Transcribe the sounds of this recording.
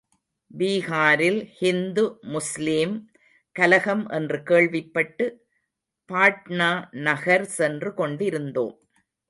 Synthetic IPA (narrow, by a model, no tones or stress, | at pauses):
biːɣaːɾɪlhɪnd̪ɯmʊslim | kɐlɐɣɐmʔɛndrɯkeːɭʋɪpːɐʈːɯ | paːʈnaːnɐɣɐɾsɛndrɯkɔɳɖɪɾɯnd̪o̰ːm